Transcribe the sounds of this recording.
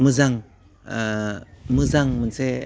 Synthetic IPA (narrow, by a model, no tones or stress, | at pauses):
mɯzaŋ | mɯzaŋmənse